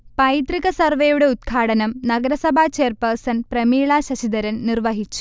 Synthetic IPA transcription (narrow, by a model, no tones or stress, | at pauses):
pɐjt̪riɣɐsɐrʋejuɽe̞ud̪̚ɡʰʱaːɽɐnɐmnɐɡɐɾɐsɐbʱaːt͡ɕeːrpɐrsɐnprɐmiːɭaːɕɐɕid̪ɐɾɐnnirʋɐɦit͡ɕːu̥